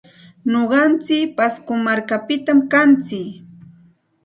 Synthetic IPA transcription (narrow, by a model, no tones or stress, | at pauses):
noɢɑnt͡sɪkpaskʊmaɾkapɪt̪amkant͡sɪk